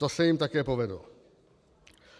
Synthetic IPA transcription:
osɛjimt̪akɛːpo̞vɛdlo

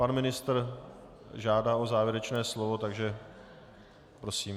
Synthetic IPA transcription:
panmɪnɪst̪r | ʒaːdaːʔo̞zaːvjɛɾɛt͡ʃnɛːslo̞vo̞t̪aɡʒɛ | pɾo̞siːm

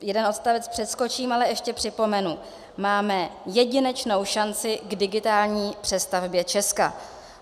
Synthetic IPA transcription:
jɛdɛnot̪st̪avɛt͡spr̥ɛt̪sko̞t͡ʃiːmalɛɛʃcɛpr̝̥ɪpo̞mɛnu | maːmɛjɛɟɪnɛt͡ʃno̞wʃant͡sɪɡdɪɡɪt̪aːlɲiːpr̥ɛst̪avbjɛt͡ʃɛska̰

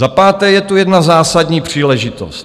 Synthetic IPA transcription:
zapaːt̪ɛːjɛt̪ujɛdnazaːsadɲiːpr̝̥iːlɛʒɪt̪o̰st̪

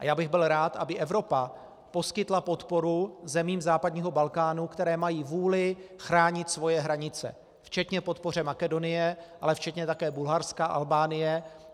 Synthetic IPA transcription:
ʔa̰jaːbɪɣbɪlɾaːt̪ʔabɪʔɛvɾo̞pa | po̞skɪt̪lapo̞t̪po̞ɾuzɛmiːmzaːpadɲiːɦo̞balkaːnukt̪ɛɾɛːmajiːvuːlɪxɾaːɲɪt̪svo̞jɛɦɾaɲɪt͡sɛ̰ | ft͡ʃɛt̪ɲɛpo̞t̪̚po̞r̝ɛmakɛdo̞nɪjɛʔalɛft͡ʃɛt̪ɲɛt̪akɛːbulɦaɾskaʔa̰lbaːnɪjɛ

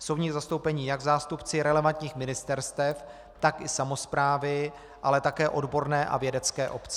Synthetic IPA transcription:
sowɲiːɣzast̪o̞wpɛɲiːjaɡzaːst̪upt͡sɪɾɛlɛvant̪ɲiːxmɪnɪst̪ɛɾst̪ɛf | t̪akɪsamo̞spɾaːvɪ | ʔalɛt̪akɛːʔo̞dbo̞ɾnɛːʔa̰vjɛdɛt͡skɛːʔo̞pt͡sɛ

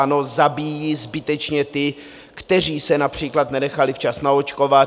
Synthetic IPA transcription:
ano̞zabiːjiːzbɪt̪ɛt͡ʃɲɛt̪ɪ | kt̪ɛr̝iːsɛnapr̝̥iːklat̪nɛnɛxalɪft͡ʃasnaot͡ʃko̞va

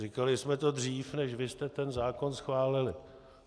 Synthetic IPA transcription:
rɪkalɪsmɛt̪o̞d̪r̝iːfnɛʃvɪst̪ɛt̪ɛnzaːko̞nsxvaːlɪlɪ

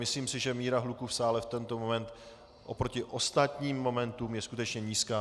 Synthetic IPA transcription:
mɪsliːmsɪʒɛmiːɾaɦlukufsaːlɛft̪ɛnt̪o̞mo̞mɛnt̪ | ʔopɾo̞cɪʔo̞st̪at̪ɲiːmːo̞mɛnt̪umjɛskut̪ɛt͡ʃɲɛɲiːskaː

